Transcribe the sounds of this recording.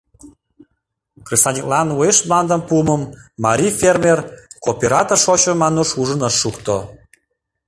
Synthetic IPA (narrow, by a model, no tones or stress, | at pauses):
krisɑnʲiklɑnueʃmlɑnd̪əmpuəməmːɑɾʲifermerkopʲeɾɑt̪orʃot͡ɕomɑnoʃuʒənəʃːukt̪o